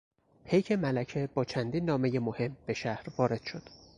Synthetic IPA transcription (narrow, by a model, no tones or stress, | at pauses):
pʰejcʰe̞mælæcʰebɒːt͡ʃʰænd̪iːnːɒːmeje̞mohe̞mb̥e̞ʃæhɾvɒːɾe̞d̪̥ʃo̞d̪̥